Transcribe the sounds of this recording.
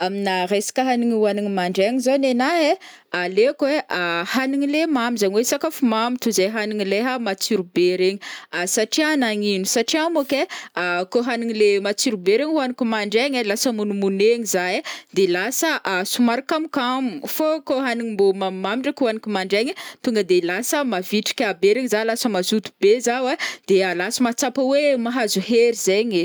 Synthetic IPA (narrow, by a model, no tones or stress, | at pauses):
aminaresḁkəɦaniɲuaniŋimaɳɖ͡ʐeɲizonenaɦe | alekweʔahaniŋilemamizaɲwesakafumamit̪uzejɦaniŋileɦamat͡siɾubeɾeɲiasaʈ͡ʂianaɲinusaʈ͡ʂiamukeakoɦaniŋilemat͡siɾubeɾeɲihuanikumaɳɖ͡ʐeɲelasəmunumuneɲizaed̪elasəʔasumaɾakamikamufokoɦaniŋimbomamamiɳɖ͡ʐəkʲuanikʲumaɳɖ͡ʐeɲit̪uŋɡəd̪elasəmaviʈ͡ʂi̥kʲabeɾeɲizalasəmazut̪u̥bezawed̪̥ealasəmat͡sapəwemaɦazuɦeɾizeɲe